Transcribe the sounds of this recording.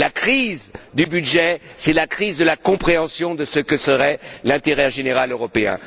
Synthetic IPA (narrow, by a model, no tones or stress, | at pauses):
lakχizd̪ybyd̪ʒɛsɛlakχizd̪əlakɔ̃pχeɑ̃sjɔ̃d̪əsəkəsəʁɛlɛ̃t̪eʁɛʒeneʁaløʁɔpeɛ̰̃